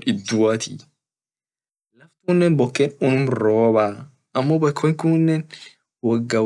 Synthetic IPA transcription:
ɪd̪ːʊwaːt̪ʰi | lɐfkʊnːɛnbɔkːeːnʊnʊmɾoːbaː | ʔɐmːɔbɐjkʰːɔŋkʊnːɛn | wɐɡːɐ

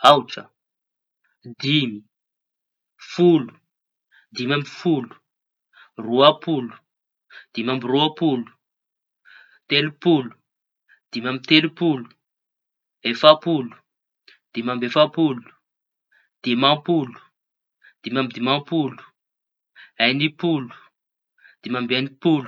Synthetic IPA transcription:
awʈ͡ʂə | d̪imi | fulu̥ | d̪imamifulu̥ | ruapulu̥ | d̪̥imambiruapulu̥ | t̪elupulu̥ | d̪̥imʲamit̪elupulu̥ | efapulu̥ | d̪̥imambefapulu̥ | d̪̥imapulu̥ | d̪̥imamid̪imãpulu̥ | ajnipulu̥ | d̪̥imambeanipulu

